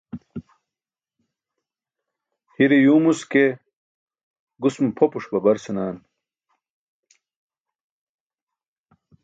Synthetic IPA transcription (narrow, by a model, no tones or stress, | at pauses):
hiɾijuːmuske | ɡusmpʰopuʂbɐbɐɾsinaːn